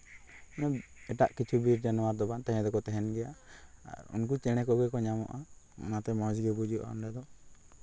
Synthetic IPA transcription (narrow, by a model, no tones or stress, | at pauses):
nɛ | ɛʈaʔkit͡ʃʰubiɾd͡ʒanɔwaɾd̪ɔbant̪ɛɦɛ̃d̪ɔkɔt̪ɛɦɛnɡɛjaa̰ɾṵnk̬ut͡ʃɛɽ̃ɛkɔɡɛkɔɲamɔ̰ʔa̰ | ɔ̰nat̪ɛmɔd͡ʒiɡɛbud͡ʒuʔa̰ɔ̰nɖɛd̪ɔ